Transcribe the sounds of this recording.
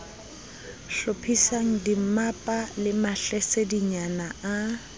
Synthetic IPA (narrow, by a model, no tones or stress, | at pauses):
ɬopʰisaŋ̩dim̩mapʼalɪmaɬɛsediɲanaa